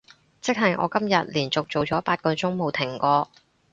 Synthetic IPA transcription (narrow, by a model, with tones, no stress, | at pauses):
t͡sɪ˥k̚ɦɐ˨jʔɔ̰ː˧kɐ˥mjɐ˨t̚liː˨˩nt͡sʊ˨k̚t͡so˨wt͡ʃɔː˨˥paː˧t̚kɔː˧t͡sʊ˥ŋmo˨wt̪ʰɪ˨˩ŋkɔː˧